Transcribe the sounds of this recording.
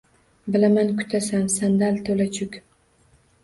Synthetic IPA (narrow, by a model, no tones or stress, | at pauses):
bɪlamankʰʊ̥t̪ʰasamsand̪alt̪ʰolat͡ʃʰʊkʲ